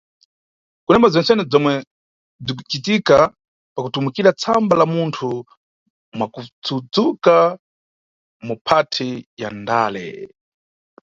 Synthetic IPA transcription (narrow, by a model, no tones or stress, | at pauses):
kunɛmazɔnsɛnɛd͡zɔmwɛ | b͡ʐik̬u̥t͡ʃitika | pakutumukiɾat͡sʰambalamuntʰu | mwakut͡sʰud͡zuka | mupʰatʰija̰ndaːlɛ̰